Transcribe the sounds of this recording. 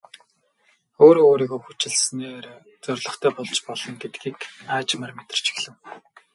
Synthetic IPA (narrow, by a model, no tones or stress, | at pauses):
oːɾooːɾiːɣoːxut͡ɕɪ̆ɮsneːr | t͡sœrʲɮɞ̆χt̪ʰæːχʊɮt͡ɕpɔɮɞ̆ŋɡet̪̚ɡiːkaːt͡ɕmarmet̪̆r̥t͡ɕʰi̥xɮɘ̆w